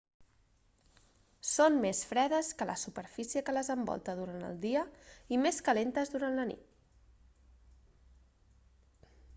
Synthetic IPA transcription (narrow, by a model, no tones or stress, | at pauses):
sonmesfɾɛðəskələsupəɾfisiəkələzəmbɔ̰lˠt̪əðuɾanə̰lˠd̪iəimeskəlent̪əzðuɾanlənḭt̪̚